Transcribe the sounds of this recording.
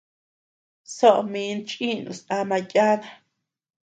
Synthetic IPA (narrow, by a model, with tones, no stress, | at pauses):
so˦ʔmĩ˧nt͡ʃʼĩ˦nṵ̃˨sa˧mã˧jʼa˦ða˦˧